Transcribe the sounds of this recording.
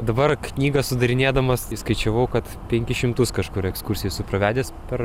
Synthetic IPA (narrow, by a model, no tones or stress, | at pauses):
d̪ɐbɐrknʲiːɡɐssʊd̪ɐɾʲɪnʲeːd̪ɐmɐsskɐɪt͡ʃʲɛʋɐʊkɐt̪ | pʲɛŋʲkʲɪʃʲɪmt̪ʊskɐʃkʊɾɛkskurʲsʲɪjʊsʊpɾɐʋʲæːd̪ʲeːspʲɛɾ